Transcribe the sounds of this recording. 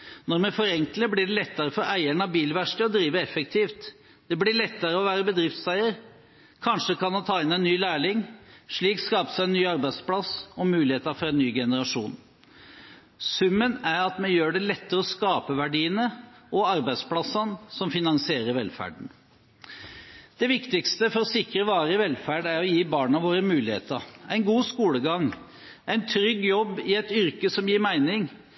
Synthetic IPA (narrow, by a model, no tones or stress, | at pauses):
nɔɾmɛfɔɾɛŋkləblɪɖɛlɛt̪ːəɾəfɔɾæɪəɳɑbiːlʋæʂʈəɔd̪ɾiːʋəɛfɛk̚t̪ʰiːft̪ | d̪̥ɛblɪɭɛt̪ːəɾəɔʋæːɾəbəd̪ɾɪft̪sæɪəɾ | kʰɑnʂəkɑnmɑnt̪ʰɑːɪnæɪnːyːlæːɭɪŋʂɭiːkskɑːpsæɪɛnːyːɑɾbæɪd̪splɑsɔmʉːlɪheːt̪əɾfɔɾɛnːyːɡɛnəɾɑʂuːn | sʉmːənæɾɑt̪mɛnjøːɖɛlɛt̪ːəɾɔskɑːpəʋæɖiːənəɔɑɾbæɪsplɑsːɑnsɔmfɪnɑŋsɪeːɾəɾʋɛlfæ̰ːɖɳ̩ | d̪̥ɛʋɪkt̪ɪkst̪əfɔɾɔsɪkɾəʋɑːɾəɪʋɛlfæːɖæɾɔjiːbɑːɳɑʋoːɾəmʉːlɪhḛːt̪əɾæɪnɡuːskuːləɡɑŋ | æɪnt̪ʰɾʏɡːjɔbːɪɛt̪ʏɾkəsɔmjiːɾmæɪnɪŋ